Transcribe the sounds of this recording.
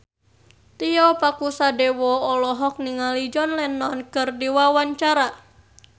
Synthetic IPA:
t̪ijɔpakusadɛwɔɔlɔɦɔk̚niŋalid͡ʒɔnlɛnːɔnkɨrdiwawaɲt͡ʃaɾa

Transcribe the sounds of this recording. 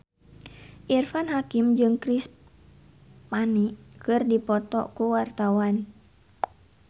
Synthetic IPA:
ʔirfanɦakimd͡ʒɨŋkɾis | panikɨrdipɔt̪ɔ̰kuwart̪awan

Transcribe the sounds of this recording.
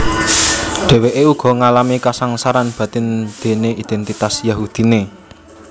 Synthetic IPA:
ɖ̥ɛ̤weʔeuɡ̥ɔ̤ŋalamikasaŋsaɾanb̥ä̤t̪ɪnd̪̥e̤neid̪̥ɛnt̪it̪asjaɦud̪̥i̤ne

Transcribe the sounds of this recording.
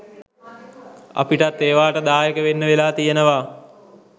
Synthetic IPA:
ɐ̰piʈat̪ːeːʋaːʈəd̪aːjekəʋenːəʋelaːt̪ijənəʋaː

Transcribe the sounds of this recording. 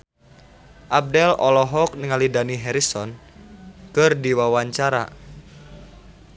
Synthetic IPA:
ʔab̚dɛlɔlɔɦɔk̚nəŋalidaniɦɛɾisɔn | kɨrdiwawaɲt͡ʃaɾa̰

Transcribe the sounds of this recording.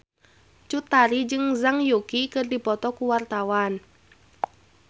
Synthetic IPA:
t͡ʃut̪aɾid͡ʒɨŋzaŋjukikɨrdipɔt̪ɔkuwart̪awan

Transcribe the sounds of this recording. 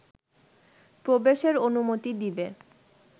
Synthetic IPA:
pɾobeʃeɾonumot̪id̪ibe

